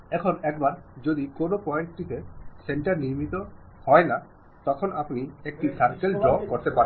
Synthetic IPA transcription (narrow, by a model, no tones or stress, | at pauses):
ɛkʰonɛk̚baɾd͡ʑod̪ikonopɔeɳʈʈit̪eseɳʈaɾniɾmit̪o | hɔena | t̪ɔkʰonʔapniek̚ʈisaɾkeld͡ʑɔb̚koɾt̪epaɾen